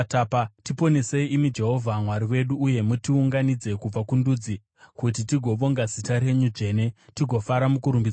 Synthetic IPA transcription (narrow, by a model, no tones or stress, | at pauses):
tapatipo̞nese̞iimid͡ʒe̞ɦo̞vʱamwaɾiwe̞ɗuːje̞mutiuŋɡanid͡ze̞kub͡vakundud͡zi | kut̬itiɡʱo̞ʋo̞ŋɡazitaɾe̞ɲud͡ʐe̞ːne̞tiɡʱo̞faɾamukuɾumbid͡z